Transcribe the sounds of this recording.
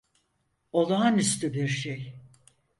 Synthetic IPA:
o̞lˠaːnyst̪ʰybiɾʃej

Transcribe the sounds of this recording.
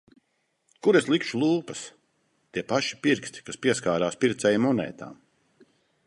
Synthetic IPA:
kuɾeslˠikʃulˠuːpɐs | t̪iɛpaʃi̥piɾkst̪i̥kaspʲiɛskaːɾaːspʲiɾt̪sɛjmɔnɛ̰ːt̪a̰ːm

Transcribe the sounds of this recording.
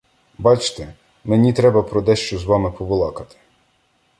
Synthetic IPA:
bɑt͡ʃt̪ɛ | menʲit̪ɾɛbɐpɾɔd̪ɛʃt͡ʃɔzʋɑmɪpɔʋɪlˠɑkɐt̪ɪ̥

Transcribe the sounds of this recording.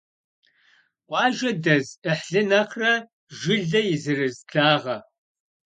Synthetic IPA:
wʷɑːʒɐdɐzɨħɬɨnɐqʰrɐ | ʒɪɮɐjɪzɨrɨzɮʰaːʁɐ

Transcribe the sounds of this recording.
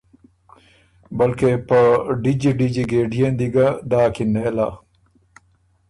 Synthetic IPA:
bɐlkepɐɖid͡ʑiɖid͡ʑiɡeːɖijend̪iɡɐd̪aːkinela

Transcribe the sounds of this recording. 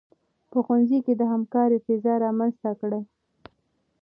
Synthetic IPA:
pəxanziked̪əɦamkɑɾefezɑɾɑmanzt̪akɽa

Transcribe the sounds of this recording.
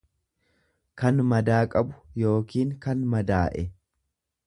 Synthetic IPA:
kɐnmɐd̪aːkʼɐbʊjo̞ːkiːŋkɐnmɐd̪aːʔɛ

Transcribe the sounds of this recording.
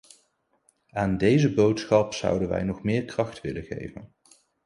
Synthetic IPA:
aːndejzəbowtsχɑpsʌ̰wdənʋɛ̰jnɔχmɪːɹkrɑχtʋɪlənχḛjvə̰n

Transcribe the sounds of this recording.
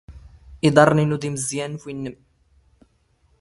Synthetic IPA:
ʔid̪ˤɑrˤninʊd̪iməzːjænfinːəm

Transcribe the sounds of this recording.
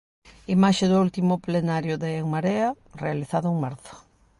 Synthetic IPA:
imaʃeðʊult̪imʊplenaɾjʊðeːŋmaɾeɐ | realiθaðʊuŋmaɾθʊ̥

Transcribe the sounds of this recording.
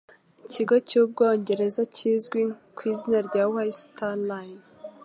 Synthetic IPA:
iciɡo̞cuːb̚ɡo̞ːɲɟe̞ɾe̞zacʰizɡwikwiːzinaɾɟawajstʰanlain

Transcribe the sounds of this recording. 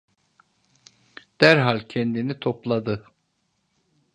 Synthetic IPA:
d̪̥æɾɦalʲcʰɛnd̪init̪ʰoplˠad̪ɯ

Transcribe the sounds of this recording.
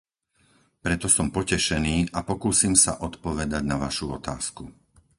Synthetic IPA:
pɾɛt̪ɔsɔmpɔcɛʃɛniːʔapɔkuːsiːmsa̰ʔɔt̪pɔʋɛd̪aɟnaʋaʃuɔ̰t̪a̰ːsku

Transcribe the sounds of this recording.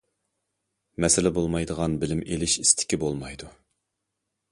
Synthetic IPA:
mɛsɪlɪbolˠmɑjd̪əʁɑnbɪlɪmelɪʃi̥st̪ʰɪ̥kʲibolˠmɑjd̪u

